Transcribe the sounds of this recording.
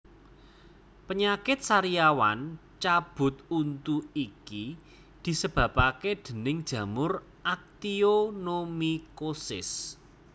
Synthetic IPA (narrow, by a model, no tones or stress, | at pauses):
pəɲakɪt̪̚saɾijawa̰nt͡ʃab̥ʊ̤t̪unt̪uiki | d̪̥i̤səb̥ä̤paked̪̥ə̤nɪŋd̥ʒ̥ä̤mʊr | ʔak̚t̪ionomikosɪ̰s